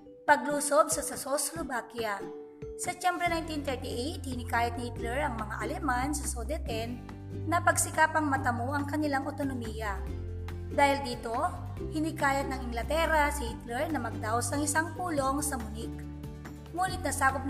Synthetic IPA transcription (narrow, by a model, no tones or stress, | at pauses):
pɐɡ̚luːsobsɐsɐsoslʊbakja | sɛt͡ʃɛmbɾɛnajnt̪int̪ɛɹt̪iʔejt̪̚hɪnɪkaːjɐt̪nhit̪lɛɹɐŋmɐŋa̰ʔɐlɛmansɐsod̪ɛt̪ɛnː | ɐpɐɡsɪkapɐŋmɐt̪ɐmoʔɐŋkɐnɪlaŋʔot̪onomijɐ | d̪aːhɪld̪iːt̪o̞ | hɪnɪkaːjɐt̪̚nɐŋʔɪŋɡlɐt̪ɛɾɐsɪhit̪lɛɹnɐmɐɡ̚d̪aosɐŋɪsaŋpuːlo̞ŋsɐmʊnɪk̚ | muːnɪt̪̚nɐsaːkop̚n